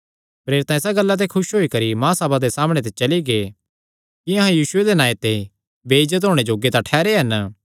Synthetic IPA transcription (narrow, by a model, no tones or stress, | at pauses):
pɾeːɾɪt̪ãɪsaɡɐlːat̪̬ekʰʊʃɦoːikɐɾimãːsɐbad̪esaːmɽ̃et̪̬et͡ʃɐliɡe | kiɐɦãjiːsʊed̪enaːjet̪e | beːɪd͡ʒət̪̬ɦoːɽ̃ed͡ʒoːɡet̪ãʈʰɛːɾeɦɐn